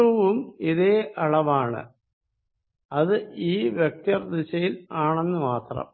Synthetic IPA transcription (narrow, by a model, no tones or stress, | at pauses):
uʋumiðe̞ːʔɐɭɐʋaːɳɨ̰ | ɐðɨiːʋjek̚t̪ɐrd̪it͡ɕɐjilaːɳe̞nːɨmaːt̪rɐ̰m